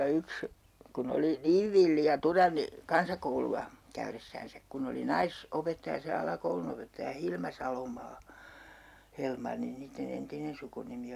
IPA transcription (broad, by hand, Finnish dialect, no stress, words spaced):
yks kun oli niːʋ ʋilːi jɑ turɑnːi kɑnsɑkouluɑ kæyresːæːnsæk kun oli nɑis opetːɑjɑ se ɑlɑkoulunopetːɑjɑ hilmɑ sɑlomɑː helmɑnːi niːtːen entinen sukunimi